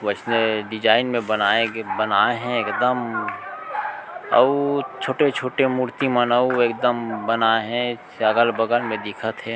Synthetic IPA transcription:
ʋət͡ʃneɖɪd͡ʒaːɪnmẽbənaebənaːeɦɛ̃eːkd̪əm | ə̰t͡ʃʰoːʈet͡ʃʰoːʈemuɾt̪imənəueːk̚d̪əmbənaeɦɛ̃saɡəlbəɡəlmẽd̪ɪkʰət̪ɦɛ̃ː

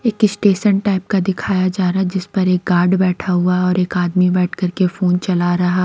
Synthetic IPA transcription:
eːkɪsʈeːʃənʈaːɪp̚kad̪ɪkʰaːjad͡ʒaːɾad͡ʒɪspɐɾeːk̚ɡaːɾɖbɛːʈʰaɦuaɔːɾeːkaːd̪mibɛːʈʰkɐɾkefoːnt͡ʃɐlaɾɐɦa

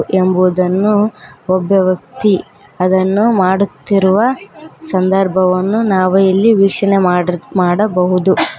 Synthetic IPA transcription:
ʔe̞mbuːd̪ɐnːuɔbʱjɐʋɐk̚t̪i | ɐd̪ɐnːumaːɽut̪ːiɾuʋɐsɐnd̪ɐɾbʱɐʋɐnːunaːʋɐjɐlːiʋiːkʂɐɳemaːmaːɽɐbɐɦud̪u

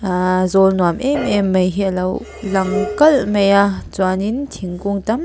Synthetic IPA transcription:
zɔlnuamʔɛmɛmːɐjɦilɐw | lɐŋkɐlmɐjat͡swanintʰiŋkuŋtɐm

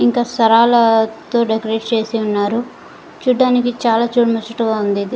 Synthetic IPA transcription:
iŋkaːsɐɾaːlɐt̪o̞ːɖekɐɾeʈt͡ʃe̞ːsiunːaːɾu | t͡ʃuːɖːaːnikit͡ʃaːlaːt͡ʃuːɽmɐt͡ʃːɐʈuɡaːund̪id̪i

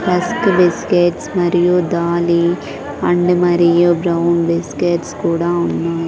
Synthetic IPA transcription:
pɐskʋɪskeːʈsmɐɾɪjod̪aːli | ɐɳɖɨmɐɾɪjoːbɾɐwnʋɪskeːʈskuːɽaːʊnːaːj

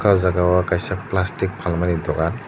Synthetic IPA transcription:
kʰazaɡawakajsak̚plastik̚bʰʱalmanidɔɡan

